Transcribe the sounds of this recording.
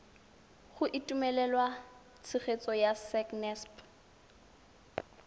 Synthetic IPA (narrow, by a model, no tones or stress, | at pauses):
χʊʔitʼumɛlɛlwa | t͡sʰɪχet͡sʼɔjasɛknɛsp